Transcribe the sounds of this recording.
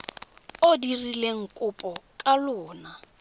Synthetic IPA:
odirileŋ̩kʼʊpʼɔkʼalʊːna

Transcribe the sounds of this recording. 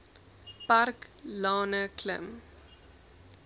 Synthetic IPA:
parklɑːnəklə̰m

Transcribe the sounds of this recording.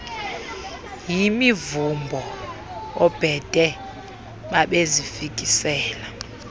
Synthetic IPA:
jimivumbʱɔɔb̥ʱɛd̥ʼʱɛ | ɓaɓezifikʼisɛːla

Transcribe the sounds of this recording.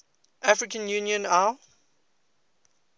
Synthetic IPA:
ʔafɹɪkə̃njunjə̃na

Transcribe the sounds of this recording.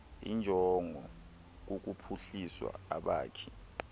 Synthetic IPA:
ḭnd͡ʒʱɔŋɔ | k̬uk̬upʰuɬiswa̰aɓa̰ːkʰi̥

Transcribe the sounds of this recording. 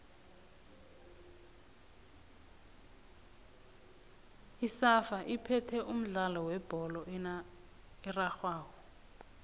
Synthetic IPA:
isafaʔipʰɛtʰɛʔum̩ɮalɔwɛb̥ʱɔlɔ | iraxwaːwɔ

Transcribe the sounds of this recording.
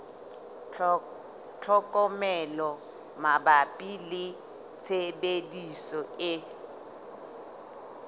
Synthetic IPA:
t͡ɬʰɔkʼɔmɛlɔ | mabapʼilɪ | t͡sʰebedisɔɪ

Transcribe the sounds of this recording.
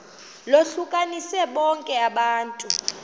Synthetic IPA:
loɬukʼanisɛɓɔŋkʼɛaɓaːntʼu

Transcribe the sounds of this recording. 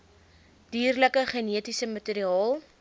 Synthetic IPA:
d̥iːrləkəχəniətisəmɐteɾiɑːlˠ

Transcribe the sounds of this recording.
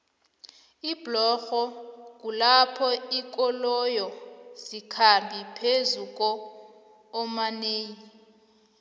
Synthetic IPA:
iblɔxɔk̬ulapʰɔik̬ʼɔlɔjɔzikʰambʱipʰezuk̬ʼɔː | maneːji

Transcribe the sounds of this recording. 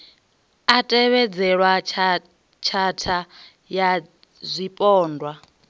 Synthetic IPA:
atʼɛβɛd͡zɛɺwa | t͡ʃʰatʰa | ja | zʷipʼɔːndʱwa

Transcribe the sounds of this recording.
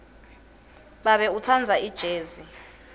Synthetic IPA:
ɓaɓɛutʰand͡zʱaid̥ʒ̥ʱeːzi

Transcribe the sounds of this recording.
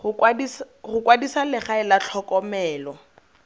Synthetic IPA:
ais | χʊkwadisalɪχaɪlat͡ɬʰɔkʼɔmɛːlɔ

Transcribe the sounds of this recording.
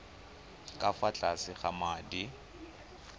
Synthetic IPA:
kʼafat͡ɬʼasɪχamaːdi

